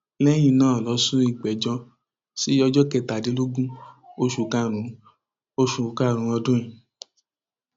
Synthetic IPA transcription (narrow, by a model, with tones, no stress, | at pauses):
lɛ˦j̃ĩ˧nãː˦˨lɔ˧sũ˦i˦˧˨ɡ͡bɛ˨d͡ʒɔ̃˧ | si˦jɔ˧d͡ʒɔ˦kɛ˧ta˨di˨˦lo˦ɡũ˦o˧ʃu˨ka˧˨ɾ̃ũ˨˦ | o˧ʃu˨ka˦˨ɾ̃ũ˨˧˦ɔ˧dũ˦ĩ˨